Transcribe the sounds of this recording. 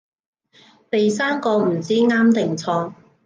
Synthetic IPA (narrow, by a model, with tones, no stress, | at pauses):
pe˨jsaː˥nkɔː˧m̩˨˩t͡siː˦˥ŋaː˥mt̪ɪ˨ŋt͡sʰɔː˧